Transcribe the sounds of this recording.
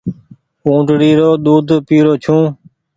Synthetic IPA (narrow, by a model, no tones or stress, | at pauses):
ũːʈɽiːɾoːɗ̪uːd̪ʱpiːɾoːt͡ʃʰũː